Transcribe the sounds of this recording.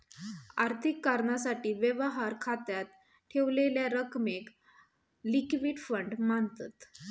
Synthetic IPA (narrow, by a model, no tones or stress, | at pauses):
aɾt̪ʰikːaɾɳasaʈiːʋjəʋəɦaɾkʰat̪jat̪ | ʈʰeʋleljaɾəkmek | likʋiːɖfəɳɖmant̪at̪